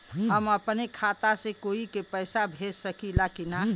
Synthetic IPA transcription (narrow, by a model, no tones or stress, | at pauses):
ɦəməpnekʰat̪asẽkoikepəjsabʱed͡ʒsəkilakina